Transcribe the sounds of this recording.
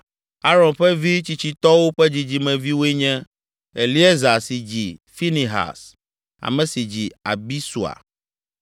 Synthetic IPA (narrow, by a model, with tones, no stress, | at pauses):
a˦ɾɔ̃˨nɸɛ˦vi˦t͡ɕi˨t͡ɕi˦t̪ɔ˦wo˦ɸɛ˦d͡ʑi˨d͡ʑi˦mɛ̃˨vi˦wo˦e˦ɲɛ̃˦ | e˨li˦e˦za˨si˨d͡ʑi˨fi˦ni˨ɦa̰˨s | a̰˨mɛ̃˨si˨d͡ʑi˨a̰˨bi˦su˨a̰˨